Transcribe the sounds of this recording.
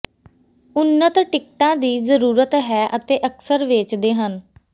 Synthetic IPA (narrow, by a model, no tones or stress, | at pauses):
ʊnːət̪ʈɪkʈãːd̪iːzəɾuːɾət̪ɦɛːʔət̪eːʔəksəɾʋet͡ʃd̪eːɦən